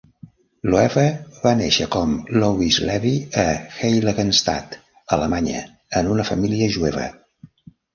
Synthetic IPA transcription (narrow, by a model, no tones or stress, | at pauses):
loɛβəβanḛʃəkɔmlɔwizlɛβiəxejləɣənst̪a̰t̪ | ələmaɲə̰ | ənunəfəmiliəʒuɛβə̰